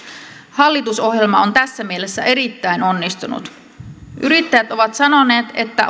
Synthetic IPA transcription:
hɑlːit̪uso̞ɦje̞lmɑo̞nt̪æsːæmiele̞sːæʔe̞ɾit̪ːæjno̞nːist̪unṵt̪ | ʔyɾit̪ːæjæt̪o̞ʋɑt̪sɑno̞ne̞ːt̪e̞t̪ːæ

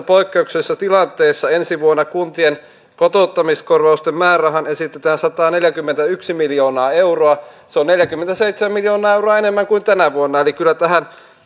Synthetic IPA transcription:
poikːeuksesːɑt̪ilɑnt̪ˑeːsːɑensiʋuonːɑkunt̪ien | kot̪ot̪ːɑmiskorʋɑust̪emmæːræɦɑnesit̪ːet̪æːnsɑt̪ɑːneljækymːent̪æyksimiljoːnɑːeuroɑ | seonneljækymːent̪æseit̪semæmiljoːnɑːeuroɑenemːæŋkuint̪ænæʋuonːɑelikylːˑæt̪æɦæn

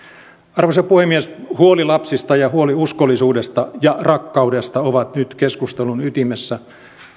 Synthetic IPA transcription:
ɑrʋosepuhemːieshuolilɑpsist̪ɑjɑhuoliuskolːisuːdest̪ɑjɑrɑkːɑudest̪ɑoʋɑt̪nyt̪keskust̪elunyt̪imesːæ

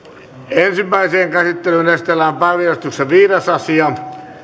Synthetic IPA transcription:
ensimːæiseːŋkæsit̪ːelynest̪elæmpærjɑst̪usseʋiːresɑsiɑ

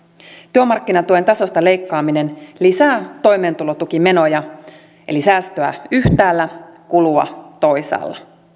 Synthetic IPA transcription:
t̪yømɑrkːinɑt̪uent̪ɑso̞st̪ɑle̞jkːɑːmine̞nlisæːt̪o̞jme̞ːnt̪ulo̞t̪uk̟ime̞no̞jɑ | ʔe̞̰lisæːst̪øæ̰yht̪æːlːækuluɑ̰t̪o̞jsɑ̰ːlːɑ̰

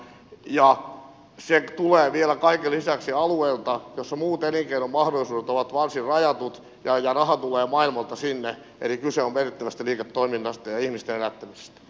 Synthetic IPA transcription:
jɑ | set̪uleːʋielækɑikelisæksiɑlueilt̪ɑjosːɑmuːt̪eniŋkeinommɑhdolːˑisuːdet̪oʋɑt̪ʋɑrsirrɑjɑt̪ut̪ | jɑjɑrɑhɑt̪uleːmɑilmɑlt̪ɑsinːe | ʔḛlikyseomʋerit̪ːæʋæst̪æliːket̪ːoiminːɑst̪ɑjɑihmist̪enelæt̪ːæmise̥st̪æ̥

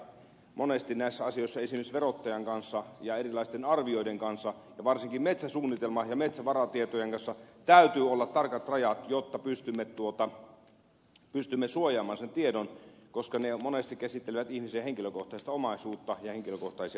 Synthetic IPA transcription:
monest̪innæˑisːæɑsijoˑisːɑesimersʋerot̪ːɑjɑŋkɑnsːɑjɑerilɑˑist̪enɑrʋioideŋkɑnsːɑ | jɑʋɑrsiŋkimmet̪sæsuːnːit̪elmɑjɑmet̪sæʋɑrɑt̪iet̪ojeŋkɑnsːɑt̪æyt̪yːolːɑt̪tɑrkɑt̪rɑjɑt̪jot̪ːɑpyst̪ymːet̪t̪uot̪ɑ | pyst̪ymːesuojɑːmˑɑːnsent̪iedonkoskɑnemonest̪ikkæsit̪ːeleʋæt̪ihmisiæheŋkiløkoht̪ɑˑist̪ɑomɑˑisuːt̪ːɑjɑheŋkiløkoht̪ɑisiɑ

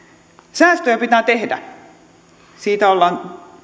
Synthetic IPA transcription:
sæːst̪øjæpit̪æːt̪ehdæ̰ | siːt̪æolːɑːˑn

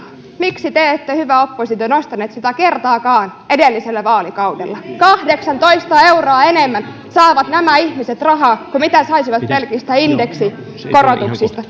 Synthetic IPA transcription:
miksit̪eet̪ːæhyʋæopːosit̪onost̪ɑneːt̪sit̪ækert̪ɑːkɑːnʔedelːiselːæʋɑːlikɑudelːɑkɑhdeksɑnt̪oist̪ɑeuroːenemːæn | sɑːʋɑt̪næmæihmiset̪rɑɦɑːkumit̪æsɑisiʋɑt̪pelkist̪æindeksi | korot̪uksist̪ɑ

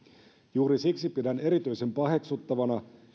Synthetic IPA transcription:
juːɾisiksipidæne̞ɾit̪yjse̞mpɑɦe̞ksut̪ːɑʋɑnɑ

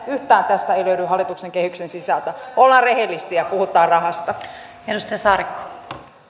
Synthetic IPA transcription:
yht̪æːnt̪æst̪æeiløyɾyhɑlːˑit̪ukseŋkehyksensisɑlt̪æʔolːɑːnrehelːisːˑiæpuhut̪ˑɑːrrɑhɑst̪ɑ | edust̪ɑjɑsɑːɾikːo̥

